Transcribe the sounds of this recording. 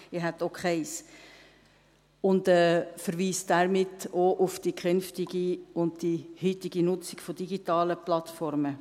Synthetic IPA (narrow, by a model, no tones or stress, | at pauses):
ɪɦɛt̪ːokχɛɪs | ʊndɛːfəɾʋiːsd̥æɾmɪtːoʔʊfd̥ikχʏnftiɡiʊndd̥ihytɪɡ̥inʊt͡sɪ̥ɡ̥fɔd̥iɡitɑːləplɑtfɔɾmə